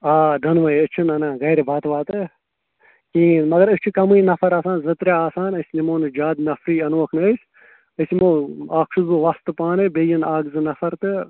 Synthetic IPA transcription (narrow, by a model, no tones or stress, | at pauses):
aːd̪ɐnʋɐjɨt͡ʃʰunɐnãːɣɐːɾebʱaːt̪ʋaːt̪ɨ | kĩːnmɐɡɐɾɨst͡ʃʰukɐmɨinɐfʰɐɾaːsaːnzɨt̪ɾeaːsaːnɐsʲnimoːnɨd͡ʒaːd̪nɐfɾiːɐnuʋɐkʰnɨəsʲ | əsimoːaːkʃʰuzbɨʋɐst̪ɨpaːnɨbejɐnaːɡzɨnɐfʰɐɾt̪ɨ